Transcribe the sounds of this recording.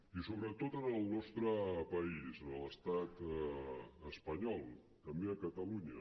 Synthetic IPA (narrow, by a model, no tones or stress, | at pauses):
isoβɾət̪ot̪ənəlˠnɔst̪ɾəpəisənələst̪at̪ | əspəɲɔlˠ | t̪əmbeəkət̪əluɲə